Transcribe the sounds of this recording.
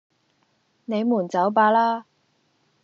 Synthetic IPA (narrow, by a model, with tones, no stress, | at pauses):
ne˨˧jmuː˨˩nt͡sɐ˨˥wp̬aː˧laː˥